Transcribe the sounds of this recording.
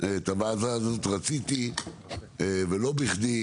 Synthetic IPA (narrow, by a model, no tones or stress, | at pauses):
et̪avazazot̪ʁat͡sit̪i | evelo̞biχd̪i